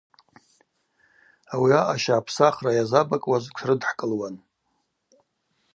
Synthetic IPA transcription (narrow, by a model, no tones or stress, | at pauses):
awiaʔaʃaːpʰsaχrajazabakʼwazkʷʰrɨdħkʼɨlwan